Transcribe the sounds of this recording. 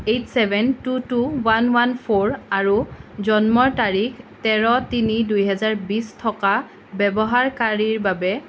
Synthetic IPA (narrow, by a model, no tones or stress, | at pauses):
ejtsɛbʱɛntutuwanwanpʰoɹaɹuzɔnmɔɹtaɹiktɛɹɔtinidujɦɛzaɹbistʰɔka | bɛbɔɦaɹkaɹiɹbabɛ